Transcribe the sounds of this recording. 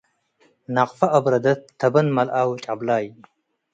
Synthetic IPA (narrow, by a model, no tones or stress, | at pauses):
nɐqfɐʔɐbɾɐd̪ɐt̪ʰːɐbɐnmɐlʔaːwt͡ʃʼablaːj